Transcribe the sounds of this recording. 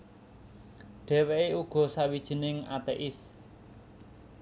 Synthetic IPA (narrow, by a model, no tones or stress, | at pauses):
ɖ̥ɛ̤weeuɡ̥ɔ̤sawid̥ʒ̥ə̤nɪŋa̰t̪eʔɪs